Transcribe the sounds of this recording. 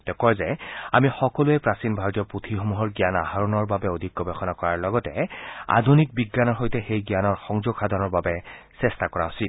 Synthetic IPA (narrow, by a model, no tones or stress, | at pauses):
tɛkɔzɛa̰mixɔkɔlʊɛpɹasinbʱaɹtiɔputʰixomuɦɔɹɡijana̰ɦaɹɔnɔɹbabɛodʱikːɔbɛxɔnakɔɹaɹlɔɡɔtɛa̰dʱunik̚biɡːanɔɹxojtɛxejɡijanɔɹxɔŋzoɡxadʱɔnɔɹbabɛsɛstakɔɹaosit